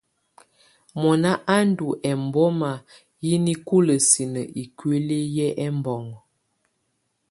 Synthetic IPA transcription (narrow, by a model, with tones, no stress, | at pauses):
mɔ˨na˦ʔa˦n˦du˨ʔɛ˨m˨bɔ˦ma˨ | ji˦ni˦ku˦lə˨si˨nə˨ʔi˨kɥe˦le˦jɛ˦ʔɛ˦mbɔ˨ŋ˨